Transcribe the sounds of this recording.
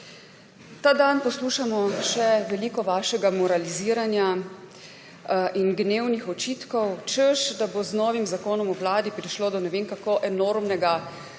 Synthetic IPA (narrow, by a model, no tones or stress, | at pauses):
t̪aːd̪anpɔsluːʃamɔʃɛʋɛliːkɔʋaːʃɛɡamɔɾaliziːɾanja | ʔinɡneːwnixɔt͡ʃiːt̪kɔwt͡ʃəʃd̪aboznɔːʋimzakoːnɔmuwlaːd̪ipɾiʃloːd̪ɔnɛʋeːnkakoʔɛnoːɾmnɛɡa